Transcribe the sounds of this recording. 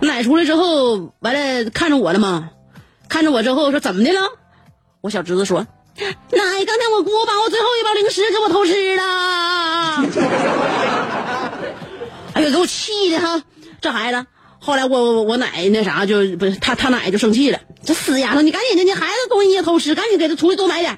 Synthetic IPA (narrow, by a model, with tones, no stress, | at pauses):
na˨˩ɪʈ͡ʂʰu˥lə˧ʈ͡ʂɻ̩˥xo˥˧ʊwa˧˥ɪlə˧kʰa˥˩nʈ͡ʂə˨˩wɔ˨˩lə˦mɐ˧ | kʰa˥˩nʈ͡ʂə˩wɔ˨˩ʈ͡ʂɻ̩˥xo˥˧ʊʂ̬wɔ˥t͡sə˨˩nmə˦d̪ɛ˥˧lə˧˩ | wɔ˧˥ɕjɑ˨˩ʊʈ͡ʂɻ̩˧˥t͡s̩ː˧ʂwɔ˥ | na˨˧˩ɪkɑ˥ŋt̪ʰnwɔ˨˩k̬wɔ˥ba˨wɔ˨˩t͡swe˥˧ɪxo˥˧ʊi˥˩pa˥ʊli˧˥ŋʂɻ̩˧˥kwɔ˨˩t̪ʰo˧˥ʊʂ̬ɻ̩˥lə˧˥ | a˧˥wɔ˨˩kwɔ˨˩t͡ɕʰi˥˩˧d̪ə˨˩a˥˧ʈ͡ʂɤ˥˩xa˧˥ɪlə˧ | xo˥˩ʊla˧˥ɪwɔ˨˧˩wɔ˧˥na̰˨˩ɪne˥˩ʂa̰˨˧˥t͡ɕjo˥˧ʊt̪ʰa˥t̪ʰa˥na̰˨˩ɪt͡ɕjo˥˧ʊʂɤ˥˧ŋt͡ɕʰi˥˩lə̰˨˩ʈ͡ʂsɹ̩˨˩ja˨˩ʂŋni˨˩ka˧˥nt͡ɕʰɛ˨˩ɛ˥njɛ˥xa˧˥ɪzə˧t̪ʰʊ˥ŋɕi˧ɛ˥˩t̪ʰo˧˥ʊʂɻ̩˧˥ka˧˥ni˧˥ke˧˩ə˥˩ʈ͡ʂʰu˧˥li˧˥t͡swma˧˥ɪljɛ˨˩˦